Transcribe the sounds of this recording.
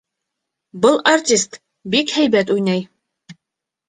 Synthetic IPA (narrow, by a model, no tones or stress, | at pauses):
bɤlˠɐrtʲist̪ | bikhæjbæt̪ujnæj